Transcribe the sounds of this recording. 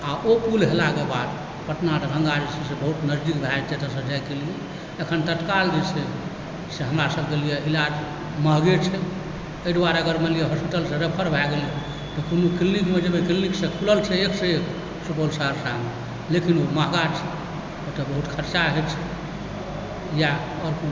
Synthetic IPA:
aopulɦelakebad̪ | pəʈnatɾə̃ŋɡad͡ʒt͡ʃʰɛsebəɦut̪nəzd̪ikb̪ʱad͡ʒt͡ʃʰet̪əɾsəd͡ʒajkelije | əkʰənt̪ət̪kald͡ʒise | seɦəmɾasəbʱkelijeilad͡ʒ | məɦɡet͡ʃʰɛ | əid̪ʋaɾəɡəɾmelijeɦɔspiʈəlsẽɾepʰəɾbʱaɡele | t̪okonukilnikmed͡ʒəbekilniksẽkʰuləlt͡ʃʰɛekʰseek | supolsəɦəɾsamne | lekinoməɦɡat͡ʃʰɛ | ot̪əbəɦut̪kʰəɾt͡ʃaɦet͡ʃʰɛ | ja | ɔɾkon

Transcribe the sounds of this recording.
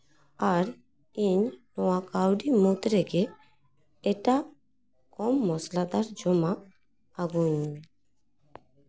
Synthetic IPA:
aɾ | iɲnɔwakawɖimot̪ɾeɡe | eʈa | kɔmːɔslad̪aɾd͡ʒɔmaː | ɡuɲ

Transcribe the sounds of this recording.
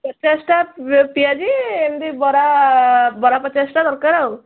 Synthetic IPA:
pɔt͡ʃasʈapijad͡ʒiemd̪ibɔɾa | bɔɾapɔt͡ʃasʈad̪ɔɾkaɾaw

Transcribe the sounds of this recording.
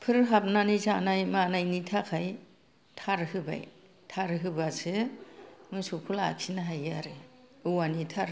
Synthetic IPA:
pʰɯɾɦap̚nanizanajmanajnitʰakʰaj | tʰaɾhɯba̰j | tʰaɾɦɯbasɯ | mɯjsukʰula̰kʰinaɦajaɾɯɯwanitʰaɾ

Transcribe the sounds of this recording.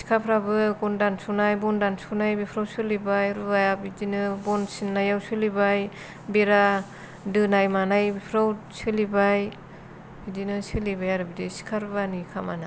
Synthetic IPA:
si̥kʰapʰɾabɯɡɔndansunajbɔndansunajbipʰɾawsɯlibajɾuajapidinɯbɔnsinːajawsɯlibaj | beɾa | dɯnajmanajbipʰɾawsɯlibaj | idinɯsɯlibajaɾɯbidesi̥kʰaɾbanikʰama̰na

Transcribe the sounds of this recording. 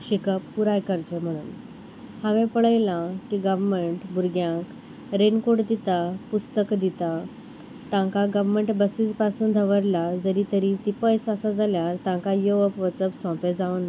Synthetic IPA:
ɕikəpːuɾajkəɾt͡ɕəm̤əɽ̃un | haʋẽpəɭəjlãkiɡəʋməɳʈbuɾɡjãk | ɾenkoɽd̪it̪apust̪əkd̪it̪a | t̪ãŋkaɡəʋməɳʈbəsid͡zpasuːnd̪ʱəʋəɾlad͡zəɾit̪əɾit̪ipəjsasad͡zʱaljaɾt̪ãŋkajoʋəpʋət͡səpsɔ̃ped͡zaʋna

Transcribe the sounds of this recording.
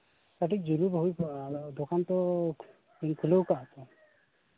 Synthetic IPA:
t̪aʈʰik̚d͡ʒuɾubɔɦud̪okant̪ɔ | iŋkʰulowkasʰɛ

